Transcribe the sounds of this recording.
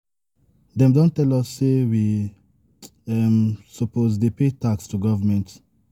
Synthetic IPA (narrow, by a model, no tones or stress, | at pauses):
d̪ɛ̃mdõntːɛlɔsːewi | ɛmsɔpʰozdepetakstuɡɔvəmɛ̃nt